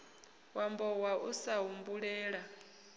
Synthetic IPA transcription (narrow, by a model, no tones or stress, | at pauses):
wambɔwaʔusaɦumbuɺɛːɺa